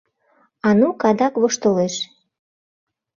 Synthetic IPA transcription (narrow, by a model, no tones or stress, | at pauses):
ɑnukɑd̪ɑkβoʃt̪oleʃ